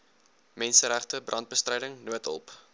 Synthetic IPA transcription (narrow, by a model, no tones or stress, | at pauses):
mɛnsəɾæχtəbrɐnt̚bəstrɛjdəŋnuətʰɔ̰lˠp